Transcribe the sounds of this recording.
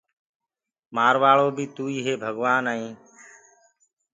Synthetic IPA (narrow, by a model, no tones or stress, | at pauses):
maːɾʋaːɭoːbiːt̪uːiːɦeːbʱəɡʋaːnaːĩː